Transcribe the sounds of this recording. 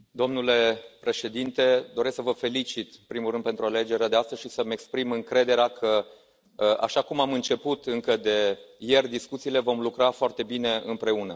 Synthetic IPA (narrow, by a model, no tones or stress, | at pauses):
d̪o̞mnule̞pɾe̞ʃe̞d̪int̪e̞d̪o̞ɾe̞sksəvəfe̞lit͡ʃit̪ɨmpɾimulɾɨnd̪pe̞nt̪ɾuale̞d͡ʒe̞ɾead̪east̪əsʃisəmekspɾimɨŋkɾe̞d̪e̞ɾeakʰə | a̰ʃakumamɨnt͡ʃe̞put̪ɨŋkəd̪e̞je̞rʲd̪iskut̪siːle̞vo̞mlukɾafoart̪e̞bine̞ɨmpɾe̞unə